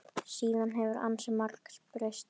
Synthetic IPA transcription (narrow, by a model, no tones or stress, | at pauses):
siːðanɦɛvʏɾa̰nsɛmaɾkl̥pɾœɥst̪